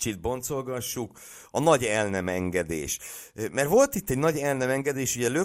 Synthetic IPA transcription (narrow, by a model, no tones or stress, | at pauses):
t͡ʃid̪̚bo̞nt̪so̞lɡɒʃːuk | ɒnɒɟɛlnɛmɛŋɡɛd̪ḛːʃ | mɛrvo̞lt̪it̪ːɛɟnɒɟɛlnɛmɛŋɡɛd̪eːʃuɟɛlø